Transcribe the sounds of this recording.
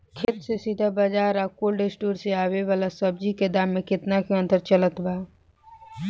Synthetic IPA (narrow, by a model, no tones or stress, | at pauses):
kʰet̪sesid̪ʱabad͡ʒaːɾakoːlɖesʈuːɾseaːweʋaːlasəb̚d͡ʒiked̪aːmːẽkɪt̪nakõə̃nt̪əɾt͡ʃələt̪baː